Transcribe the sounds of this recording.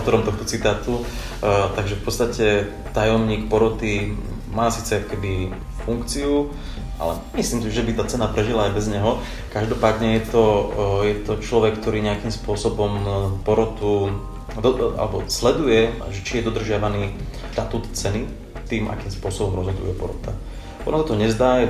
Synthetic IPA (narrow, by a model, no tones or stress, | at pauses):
t̪ɔɾɔmt̪ɔxt̪ɔt͡sit̪aːt̪u | t̪aɡʒɛfpɔt̪t͡sst̪acɛ | t̪ajɔmɲiːkpɔɾɔt̪i | maːsiːt͡sɛakɔ̥kɛbi | fuŋkt͡siu | a̰lɛ̰ | mislimsiʒɛbit̪aːt͡sɛnapɾɛʒilaːjbɛzɲɛɦɔ | kaʒd̪ɔpaːd̪ɲɛjɛt̪ɔjɛt̪ɔt͡ʃlɔʋɛkːt̪ɔɾiːɲɛakiːmspʊɔsɔbɔmpɔɾɔt̪u | d̪ɔa̰lɛbɔslɛd̪ujɛʒɛt͡ʃijɛd̪ɔd̪r̩ʒɪaʋaniːʃt̪at̪uːt̪t͡sɛni | t̪iːmʔa̰kiːmspʊɔsɔbɔmɾɔzɦɔd̪ṵjɛpɔ̰ɾɔ̰t̪a | ʔɔ̰nasat̪ɔɦɔɲɛzd̪aːjɛ